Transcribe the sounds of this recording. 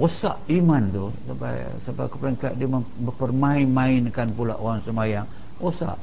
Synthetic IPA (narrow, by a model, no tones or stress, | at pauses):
osa̰ʔimant̪u | sapa̰j | sabakəplaŋkaʔdimaəpərmainmainkanpula̰ʔoɣaŋsəmajaŋ | osa̰ʔ